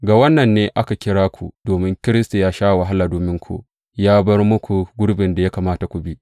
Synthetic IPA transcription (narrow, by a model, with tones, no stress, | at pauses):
ɡa˨wɐ˦nːɐ˨nːeː˦ʔa˦ka˨kʲɪ˦ɽaː˦kʷu˨d̥oː˨mɪ˦ŋkʲɪ˦ɾɪ˦sta˨jaː˦ʃaː˦˨wa˨ɦa˦laː˨doː˨mɪ˦ŋkʷṵ˨ | jaː˦bɐ˦rmʊ˦kʷu˨ɡʷʊ˦ɽbɪ˨nda˨ja˦kaː˨maː˦ta˨kʷu˨bi˦ʔ